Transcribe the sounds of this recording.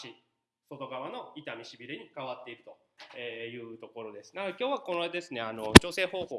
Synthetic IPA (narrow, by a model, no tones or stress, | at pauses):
ɕi | so̞t̪o̞ɡaβano̞it̪amʲiɕibʲiɾeɲ̟ikaβat̪ːe̞iɾɯ̟t̪o̞ | eːjɯ̟ːt̪o̞ko̞ɾo̞d̪e̞sɨ̥naɡkʲjoːβakonod̪e̞sɨneano̞t͡ɕo̞ːse̞ːho̞ːho̞ː